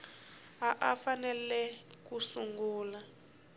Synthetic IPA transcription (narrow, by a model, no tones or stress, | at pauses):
aʔafanɛlɛkusuŋɡuːla